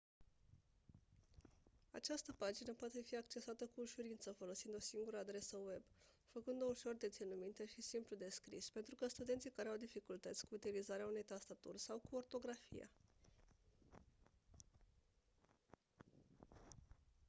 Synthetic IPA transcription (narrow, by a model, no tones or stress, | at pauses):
a̰t͡ʃast̪əpad͡ʒinəpoat̪e̞fiakt͡ʃe̞sat̪əkuːʃuɾint̪səfo̞lo̞sind̪o̞siŋɡuɾəːd̪ɾe̞səwe̞b | fəkɨnd̪ouʃo̞rd̪e̞t̪sinumint̪e̞ʃisimplud̪e̞skɾispe̞nt̪ɾukəst̪ud̪e̞nt̪sijkaɾeawd̪ifikult̪ət̪sʲkuːt̪ilizaɾeaune̞jt̪ast̪at̪urʲsawkuo̞rt̪o̞ɡɾafḭja̰